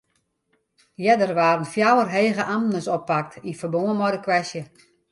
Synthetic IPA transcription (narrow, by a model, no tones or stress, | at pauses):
jɛdərʋaːɾənfjawərɦeːɣəʔamnəsɔpːak̚tifərboəmɔdəkʋɛsjə